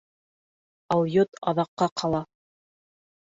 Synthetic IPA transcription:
ɑwjot̪ɑ̰ðɑqːɑqʰɑlˠɑ

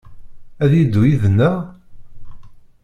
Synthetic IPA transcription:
æðid̪ːujiðənːæ

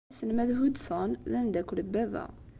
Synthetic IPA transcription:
sənmæðɦud̪sɑnðænd̪ækuləbæðæ̰

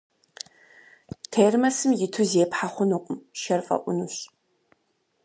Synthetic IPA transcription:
tʰeːrmɐsɨmjɪtʰuzeːpħaχʷʊnuqʷʼʊmʃɐrfʼɐ̰ʔʷʊnuɕ

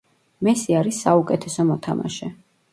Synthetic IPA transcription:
mɛsiaɾisːaukʼɛt̪ʰɛsɔmɔt̪ʰama̰ʃɛ

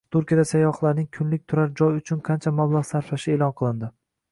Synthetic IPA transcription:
t̪ʰʊɾkʲijad̪asajɒχlˠaɾnɪŋkʲʰʊnlɪk̚ʲt̪ʰʊɾaɾd͡ʒɒjʊt͡ʃʰʊnqʰɑnt͡ʃʰamablˠaʁsaɾfaʃɪelˠɒnqʰɨlˠɪnd̪ɪ

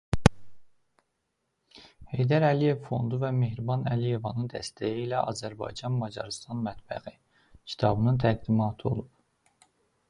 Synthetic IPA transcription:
he̞jd̪æɾælije̞vfo̞̰nd̪uvæme̞hɾibɑnælije̞vɑnɯnd̪æst̪ʰæjiilæʔɑ̰zæɾbɑ̰jd͡ʒɑnmɑd͡ʒɑ̰ɾst̪ʰɑnmæt̪b̥æ̰ɣi | cʰi̥t̪ʰɑbɯnɯnt̪ʰæɡd̪imɑːt̪ʰo̞̰lˠup

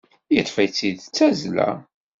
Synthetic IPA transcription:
jət̪ˤːfæjt͡sːiðt͡sːæzlæ̰

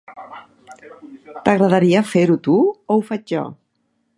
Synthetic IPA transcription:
t̪əɣɾəðaɾiafeɾut̪uowfad͡ʒʒɔ̰

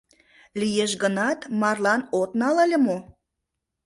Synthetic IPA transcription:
lijeʃɣənɑt̪mɑrlɑnot̪nɑlelʲĕmo

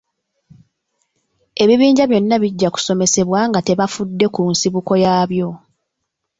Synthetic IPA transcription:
e̞βiβiːɲɟaβjo̞nːaβiɟːaku̥so̞me̞se̞βwaːŋɡate̞βafudːe̞kunsiβuko̞jaːβjo̞

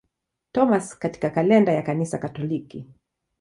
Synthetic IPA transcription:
tɔmaskati̥kakalɛndajakanisakatɔliki

